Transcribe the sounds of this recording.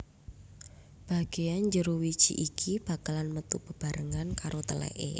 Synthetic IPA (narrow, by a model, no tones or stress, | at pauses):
b̥a̤ɡ̥ejand͡ʒəɾowi̥t͡ʃḭʔikʰib̥a̤kalanmət̪ub̥əb̥a̤ɾəŋankaɾʔot̪əlɛ̰ʔḛ